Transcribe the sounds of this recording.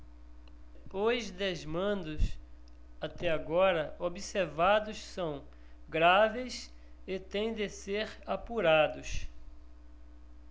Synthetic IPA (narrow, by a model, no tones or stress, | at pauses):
ozd̪ezmɐ̃nd̪ʊs | at̪ɛaɡɔɾɐobiseɾvad̪ʊssɐ̃w̃ | ɡɾaves | ɪt̪ẽj̃d̪eseɾapuɾad̪ʊs